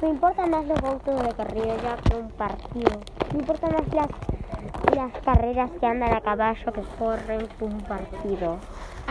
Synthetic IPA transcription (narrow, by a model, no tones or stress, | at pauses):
nimpo̞ɾt̪amazlozɣolkezðekarioʎakoumpaɾt̪iðo | impo̞ɾt̪amaslas | laskareɾaskeand̪anakaβaʃokekoreŋkuumpaɾt̪iðo